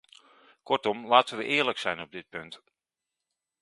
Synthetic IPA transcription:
kɔɹtɔmlaːtənʋəʔɪːɹləksɛjnɔb̚dɪt̚pɵnt

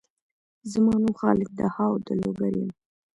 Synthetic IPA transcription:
zəmɑːnuxɑlɪk̚d̪əhɑwd̪əloɡaɾim

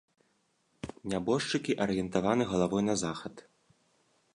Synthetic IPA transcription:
nʲabɔʂt͡ʂɨkʲiʔɐɾɨjɛnt̪avanɨɣɐlˠavɔjnɐzaxɐt̪

